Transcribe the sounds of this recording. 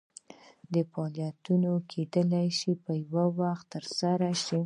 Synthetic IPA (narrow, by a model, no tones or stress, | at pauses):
d̪əfɑljat̪unokʰed̪əlajʃipəjwawaxt̪ːəɾsaɾaʃi